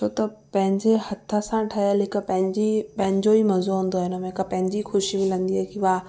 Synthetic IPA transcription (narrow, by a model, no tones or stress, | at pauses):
t͡ʃʰoːt̪ɐpɐ̃ɦɪ̃ɲd͡ʑehɐt̪ʰːəsãʈʰɐalɪkəpɐ̃ɦɪ̃ɲd͡ʑipɐ̃ɦɪ̃ɲd͡ʑoimɐzoɦũːnd̪oɦɪnəm̃ɪkɐpɐ̃ɦɪ̃ɲd͡ʑixʊʃimɪlə̃nd̪iɦɛːkiʋaː